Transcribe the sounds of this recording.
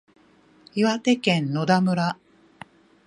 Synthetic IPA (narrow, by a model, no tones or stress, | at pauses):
iβat̪e̞kẽ̞nːo̞d̪amɯ̟ɾa